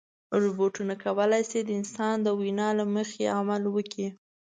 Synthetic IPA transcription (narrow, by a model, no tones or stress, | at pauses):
ɾuboʈunakawəlajsed̪əɪnsɑnd̪əwinɑlaməxḛamalwəkʰi